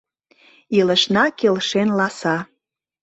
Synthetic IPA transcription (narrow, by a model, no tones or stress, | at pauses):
ilə̆ʃnɑkelʃenlɑsɑ